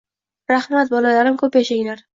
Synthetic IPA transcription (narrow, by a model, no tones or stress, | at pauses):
ɾahmat̪̚bɒlalaɾɪmkʰɵpjaʃaŋlaɾ